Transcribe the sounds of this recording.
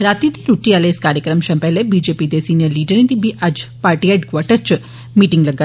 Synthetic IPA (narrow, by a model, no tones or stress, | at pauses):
ɾat̪id̪iɾuʈialeːskaːɾjəkɾəmʃɐmpɛɦlebid͡ʒepid̪esiːnijəɾliːɖəɾĩnt̪ibʱiʔad͡ʒpaːɾʈiɛɖkʋaʈəɾt͡ʃ | miʈiŋɡləɡa